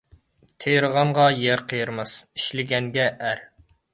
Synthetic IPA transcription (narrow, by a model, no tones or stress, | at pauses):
t̪ʰejɾəʁɑɴʁɑjæɾqʰəjɨɾmɨz̥iʃlɪɡʲɛŋɡʲɛʔæɾ